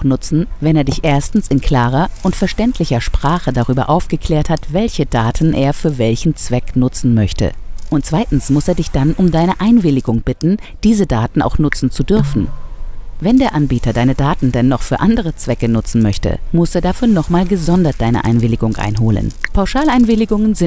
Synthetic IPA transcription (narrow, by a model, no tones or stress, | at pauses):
nʊt͡sn̩vɛneːɐdɪçʔeːɐstn̩sɪnkl̥aːʁɐʔʊntfɛɐʃtɛntʰlɪçɐʃpʁ̥aːχədaʁ̞yːbɐ̰ʔaʊfɡ̥əkʰl̥eːɐthatv̥ɛlçədaːtʰn̩ʔeːɐfyːɐvɛlçn̩t͡sv̥ɛknʊt͡sn̩mœçtə̰ʔʊnt̚t͡sv̥aɪtn̩smʊseːɐdɪçd̥anʔʊmdaɪnəʔaɪnvɪlɪɡʊŋb̥ɪtn̩d̥iːzədaːtn̩ʔa̰ʊxnʊt͡sn̩t͡sudʏɐfn̩ | vɛndeːɐʔanbiːtʰɐdaɪnədaːtn̩dɛnːɔχfyːɐʔandəʁ̞ət͡sv̥ɛkənʊt͡sn̩mœçtə̰mʊseːɐdafyːɐnɔχmaːlɡəzɔndɐt̚d̥aɪnə̰ʔa̰ɪnvɪlɪɡʊŋʔa̰ɪnɦo̰ːlə̰npʰaʊʃaːlaɪnvɪlɪɡʊŋənzɪ